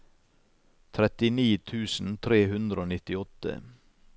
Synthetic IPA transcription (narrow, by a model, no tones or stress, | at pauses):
t̪ʰɾɛt̪ɪniːt̪ʰʉːsn̩t̪ʰɾeːhʉnd̪ɾəoːnɪt̪ɪɔt̪ə̰